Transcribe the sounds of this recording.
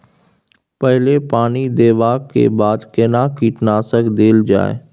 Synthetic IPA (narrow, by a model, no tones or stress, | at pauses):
pəɦɪlepaːnid̪eːʋaːkːḛːbaːd̪keːnakiːʈnaːsəkd̪eːld͡ʒa̰ːe